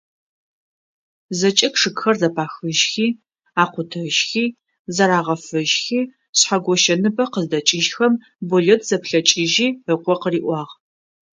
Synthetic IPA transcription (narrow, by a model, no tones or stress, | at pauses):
zɐt͡ʃʼɐkʂɨkxɐrzɐpʰaːxɨʒxiː | aːqʷʊtʰɐʒxiː | zɐɾaːʁɐfɨʒxiː | ɕħaɡʷɔʃɐnɨbɐqəzdɐt͡ʃʼɪʒxɐm | buɮɛtʰz̥ɐpɬɐt͡ʃʼɪʒiːəqʷɔqəriːʔʷɑːʁ